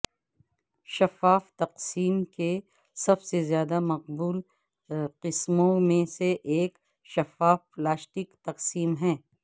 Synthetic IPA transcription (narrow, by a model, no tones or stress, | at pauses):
ʃɐfaːft̪ɐqsiːmke | sɐbsezjaːd̪amɐqbuːl | qɪsmõmẽseʔːk | ʃɐfaːfplaːsʈɪkt̪ɐqsiːmɦɛ̃ː